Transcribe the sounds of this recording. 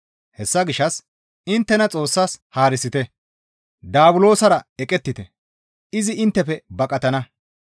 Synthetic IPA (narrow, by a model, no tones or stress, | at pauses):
hɛsːɐɡɪʃːɐs | ɪnt̪ːɛnɐt͡sʼo̞ːsːaːshaːɾɪsɪt̪ɛ | d̪aːbʊlo̞ːsɐɾɐɛkʼɛt̪ːɪt̪ɛ | ɪzɪɪnt̪ːɛpɛbɐkʼɐt̪ɐnɐ